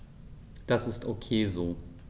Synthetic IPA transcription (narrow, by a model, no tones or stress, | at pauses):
d̥asɪstʔokʰeːzoː